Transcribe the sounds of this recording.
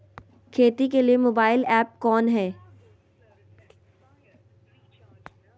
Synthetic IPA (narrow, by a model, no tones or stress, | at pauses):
kʰeːt̪ikelijemoːbaːɪlɛːp̚kɔːnɦɛː